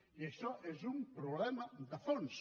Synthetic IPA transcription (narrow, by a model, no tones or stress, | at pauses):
iesɔʔɛzumpɾoβlɛmɐd̪ɐfons